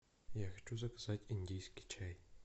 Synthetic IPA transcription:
jaxʲt͡ʃʰʼuzɐkzatʲinʲdʲijskʲi̥t͡ʃʰaj

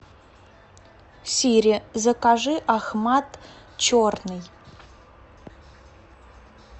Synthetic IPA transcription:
sʲiɾʲɪzəkaʐɨʔaxmat̪ | t͡ɕornɨj

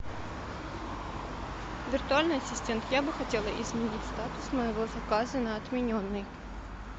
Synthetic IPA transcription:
vʲɪrt̪ʊalʲnɨjɐsʲɪsʲtʲe̞nt̪jabɨxɐtʲe̞lˠəʔɪzmʲɪnʲitʲst̪at̪ʊ̥sməjɪvo̞zɐkazɨnɐɐt̪mʲɪnʲonːɨj

